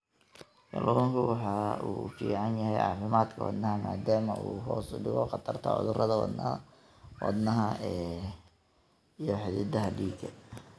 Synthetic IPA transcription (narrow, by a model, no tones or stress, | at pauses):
kɑ̰lʔuːŋkʰʊwɑħɑuːfiːʕɑnjɐhɛjʔɑ̰ːfɪmaːd̪kʰɐwɑ̰d̪nɐɦɐmaːd̪aːmɐʔuːɦɔːsʊɖɪɣɔqɑt̪ʰɐrt̪ʰɔ̰ːʕʊ̰ðʊrɐðɐwɑ̰d̪nɐ | wɑ̰d̪nɐɦɐɛː | ijɞħɪðɪd̪ɐɦɐɖiːɡɐ